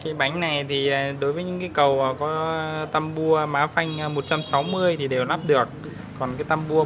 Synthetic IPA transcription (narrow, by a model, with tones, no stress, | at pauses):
kaː˨˦jɓa˨˦jŋ̟na˨˩jt̪ʰi˨˩˨ɗo˨˦jvəː˨˦ɲɨ̰˨˦˥ŋkaː˨˦kə˨˩wə˨˩kɔ˨˦t̪a˧mɓu˧əmaː˨˦fa˧jŋ̟˧mo˨˩t̚t͡ɕa˧msa˨˦wmɨ˧əjt̪ʰi˨˩ɗe˨˩wlaː˦˥p̚ɗɨ˨˩ək̚ | kɔ˨˩nkaː˨˦jt̪a˧mɓu˧ə